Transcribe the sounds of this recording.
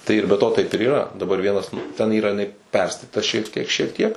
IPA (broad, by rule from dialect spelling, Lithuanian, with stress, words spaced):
tɐɪ ɪr bʲɛ ˈtoː ˈtɐɪp ɪr iːˈrɐ dɐˈbɐr ˈʋʲiɛnɐs tʲɛn ˈiːrɐ jɪˈnɐɪ ˈpʲɛrstɐtʲɪtɐ ʃʲiɛk ˈtʲiɛk ʃʲiɛk ˈtʲiɛk